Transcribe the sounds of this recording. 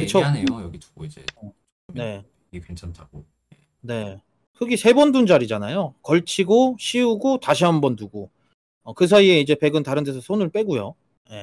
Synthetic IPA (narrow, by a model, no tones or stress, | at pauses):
kɯt͡ɕʰoaneojʌɡit͡ɕoɡoid͡ʑḛ | ne̞ | ikent͡ɕʰantʰaɡo | e | ne̞ | hɯɡisʰe̞bʌndund͡ʑaɾid͡ʑanajokʌɭt͡ɕʰiɡoɕʰiuɡotaɕʰiɦambʌntuɡo | ʌkɯsʰaie̞id͡ʑe̞pe̞ɡɯntaɾɯntʰesʰʌsʰonɯɭp͈e̞ɡujo | je̞